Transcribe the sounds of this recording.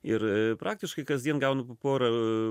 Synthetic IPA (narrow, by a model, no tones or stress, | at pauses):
ɪɾpɾʔɑːk̚t̪ʲɪʃkɐɪkɐzd̪ʲiɛnɡɐʊnɐppoːɾɐ